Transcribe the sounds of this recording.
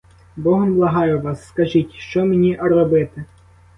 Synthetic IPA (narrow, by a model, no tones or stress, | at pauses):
bɔɦɔnblˠɐɦɑjʊʋɑsːkɐʒitʲʃt͡ʃɔmenʲiʔɐrɔbɪt̪ɪ